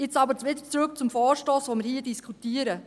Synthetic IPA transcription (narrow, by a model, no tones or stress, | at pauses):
ɪt͡sɑbəɾt͡sʋɪd̪ə̥t͡sɾʊkt͡sʊmfɔːɾʃtoːsʋomɪɾhiːdiskʰutiəɾə